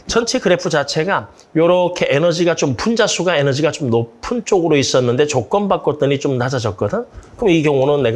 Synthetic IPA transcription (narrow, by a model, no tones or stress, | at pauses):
t͡ɕʌnt͡ɕʰe̞kɯɾe̞pʰud͡ʑat͡ɕʰe̞ɡa | jʌɾʌkʰe̞ʔenʌd͡ʑiɡat͡ɕompund͡ʑasʰuɡae̞nʌd͡ʑiɡat͡ɕomnopʰɯnt͡ɕ͈oɡɯɾois͈ʌnːɯnde̞t͡ɕok͈̚ʌnbak͈ʌt͈ɯɲit͡ɕomnad͡ʑad͡ʑʌt̚k͈ʌdɯnkɯmʌiɡjʌŋonɯnːe̞ɡ